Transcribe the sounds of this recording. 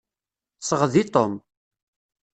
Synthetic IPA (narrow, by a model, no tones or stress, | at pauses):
səʁðit̪ˤom